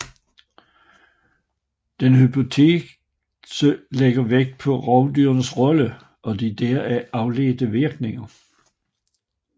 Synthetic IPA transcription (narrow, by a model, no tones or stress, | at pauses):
d̥enhypʰo̝t͡sʰe̝ː | səleɡ̥ɐʋeɡ̥̚d̥̚pʰɒ̽ʁɑ̈ʊd̥yːɐnəsʁɒ̽lə | ʔɒ̽d̥id̥eːɐæʔɑ̈ʊle̝̰ːd̥əʋiɐɡ̥ne̝ŋɐ